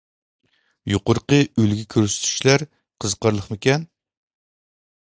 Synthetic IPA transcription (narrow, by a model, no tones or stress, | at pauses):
joqʊɾqəølɡʲikʲʰøɾsy̥t̪ʰy̥ʃlæɾ | qʰəzqɑɾlˠəχmɪkʲɛn